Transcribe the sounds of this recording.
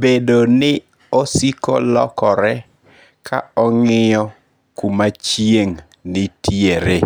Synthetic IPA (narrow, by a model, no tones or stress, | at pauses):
bedonɪ | osiko̰lɔ̰kɔɾɛ | kʰa̰ɔŋɪjɔ | kumat͡ʃjeŋ | nɪtjeɾe